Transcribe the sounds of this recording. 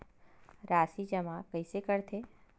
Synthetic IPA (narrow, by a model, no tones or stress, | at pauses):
ɾaːsid͡ʒɐmakɐisekɐɾt̪ʰe